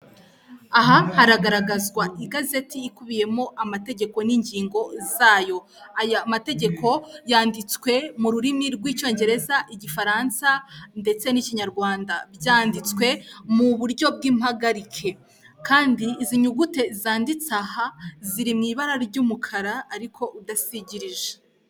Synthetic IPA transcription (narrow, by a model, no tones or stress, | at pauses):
aɦahaɾaɡaɾaɡazɡwaʔiɡaze̞tiːkuβije̞mo̞ʔamate̞ɟe̞ko̞niːɲɟiːŋɡo̞zaːjo̞ | ajamate̞ɟe̞kʰo̞jaːndit͡swe̞muɾuɾimiɾɡwiːt͡ʃo̞ːɲɟe̞ɾe̞zaʔiɟifaɾansande̞t͡se̞niciɲaɾɡwaːndabɟaːndit͡skwe̞muβuɾɟo̞b̚ɡiːmhaɡaɾikʰe̞ | kaːndiːziɲuɡute̞zaːndit͡sahaziɾimŋiːβaɾaɾiɾɟuːmukʰaɾaːɾikʰo̞ʔudasiɟiɾiʒe